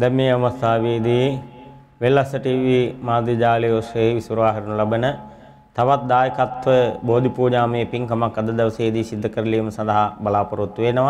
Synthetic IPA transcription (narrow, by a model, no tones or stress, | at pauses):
d̪ɛmːeːɐʋɐst̪ʰaːʋeːd̪iː | ʋelːɐsɐʈiːʋiːmaːd̪id͡ʒaːlijoʃɐɦeʋisuɾʋaːɦɐɾunulɐbənə | t̪ɐʋat̪̚d̪aːjəkat̪ʋəboːd̪ʱipuːɲaːməjepiŋkɐmakːɐd̪ɐd̪ɐʋɐseːd̪iːsid̪ʱːɐkəɾɐliːmɐsɐ̃nd̪ɐɦabɐlaːpɐɾut̪ːʋeːnəʋa